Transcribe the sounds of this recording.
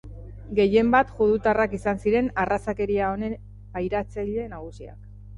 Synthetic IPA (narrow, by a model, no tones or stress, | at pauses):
ɡe̞je̞mbat̪ʝuðut̪arakisansiɾe̞narasake̞ɾiao̞ne̞ | pajɾat͡saʎe̞naɣ̞usia̰k